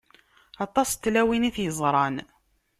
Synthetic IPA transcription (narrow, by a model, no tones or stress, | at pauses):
ɑt̪ˤːɑst̪ːlæwiniθjəzˤɾˤɑn